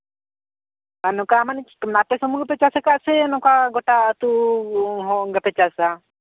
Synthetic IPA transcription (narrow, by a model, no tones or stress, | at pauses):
anɔkamanit͡ʃnap̪ɛsɔmuɡɛpɛt͡ʃasɛkaʔsɛnɔkaɡɔʈaʔt̪u | ɦɔ̃ɡɛpɛt͡ʃasa